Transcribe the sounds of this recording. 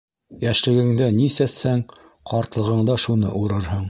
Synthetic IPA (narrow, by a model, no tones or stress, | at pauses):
jæʃlɘ̆ɡɘ̆ŋd̪ænisæshæŋ | qɑɾt̪lˠɤ̆ʁɤ̆ɴd̪ɑʃunɤ̰ʔuɾɤɾɦɤɴ